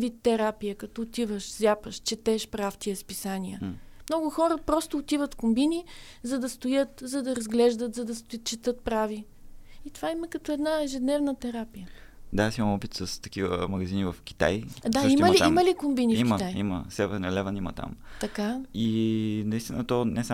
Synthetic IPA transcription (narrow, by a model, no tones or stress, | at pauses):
vit̪ːɛɾapijəkɐt̪ɔot̪ivəʃzʲapəʃt͡ʃɛt̪ɛʃpɾaft̪iəspisaniəmnɔɡʊxɔɾəpɾɔst̪ʊːt̪ivət̪kʊmbini | zɐd̪ɐst̪ʊjɤt̪zɐd̪ɐɾɐzɡlɛʒd̪ət̪zɐd̪ɐst̪ʊt͡ʃɛt̪ɤt̪̚pɾavi | it̪ovaimɐkɐt̪ɔɛd̪naɛʒɛd̪nɛvnət̪ɛɾapijəd̪aasimɐ̃mɔpit̪sɐst̪ɐ̥kivə̰mɐɡɐzinivɐfkʲi̥t̪a̰jd̪aiməlit̪aiməlikʊmbiniimʲkət̪ajḭmə̰sɛvɛɾnɛlɛvɐnimɐ̰t̪a̰mt̪ɐkainɐist̪inət̪ɔnɛsa